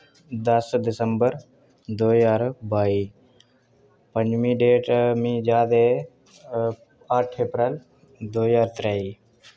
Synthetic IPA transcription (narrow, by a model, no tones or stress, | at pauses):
d̪əsd̪ɪsəmbəɾ | d̪oːjaːɾbaːiː | pə̃ɲd͡ʒmĩːɖeːʈmĩd͡ʒaːd̪e | aʈʰeːpɾeːl | d̪oːjaːɾt̪ɾɛːiː